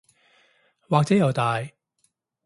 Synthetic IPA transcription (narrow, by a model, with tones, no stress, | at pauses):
waː˨k̚t͡sɛː˨˥jɐ˨wt̪aː˨j